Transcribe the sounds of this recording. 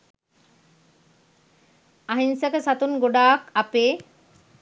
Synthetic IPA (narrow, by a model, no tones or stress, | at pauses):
aɦinsəkəsat̪unɡoɖaːkapeː